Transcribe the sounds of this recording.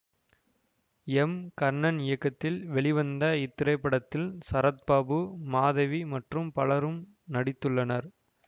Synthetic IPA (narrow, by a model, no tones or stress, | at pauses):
ɛmkɐɾnɐnɪjɐkːɐt̪ːɪlʋɛɭɪʋɐnd̪ɐɪt̪ːɪɾɐɪpːɐɽɐt̪ːɪlsɐɾɐt̪̚baːbɯmaːðɐʋimɐʈrɯmpɐɭɐɾɯm | nɐɽɪt̪ːɯɭːɐnɐɾ